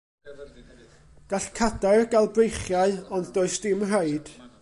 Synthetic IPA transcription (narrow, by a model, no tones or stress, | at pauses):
ɡ̥aɬkʰadaɨrɡalˠbrejχjaɨɔnddoɨsd̥ɪmraɨd̥